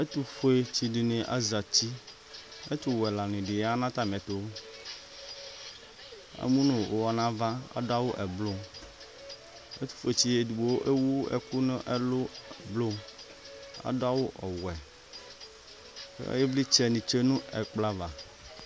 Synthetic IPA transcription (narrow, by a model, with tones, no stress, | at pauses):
e˦t̪u˦fe˨t͡ɕi˨ɖi˨nẽ˨ʔa̰˦za˨t͡ɕi˦ | e˦t̪u˦wɛ˨la˨nĩ˨ɖɪ˨ja˦nã˦t̪a˦mɛ̃˨t̪o˦ | a̰˨mũ˦nõ˨wʔo˨wa˨nã˦va˦a̰˦da˦wo˦ʔɛ˨blo˦m | ḛ˦t̪u̥˦˨fe˨t͡ɕi˦˨e˨du˨bo˨wo˦ʔe˦wu˦ɛ̰˨ku˦nõ˦ʔɛ˦lo˦˨blo˦m | a̰˦do˦a˦wo˦ʔɔ˨wɛ˨ | kje˦bli˦t͡ʃɛ˦nĩ˨t͡ʃe˦nũ˦ɛ̰˨k͡pla˦va˨